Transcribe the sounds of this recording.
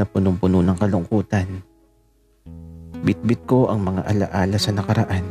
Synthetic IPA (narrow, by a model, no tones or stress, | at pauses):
ɐpʊnʊmpʊnʊnɐŋkɐlʊŋkuːt̪ɐn | bɪt̪̚bɪt̪̚ko̞ʔɐŋmɐŋa̰ʔɐlɐʔaːlɐsɐnɐkɐɾɐʔan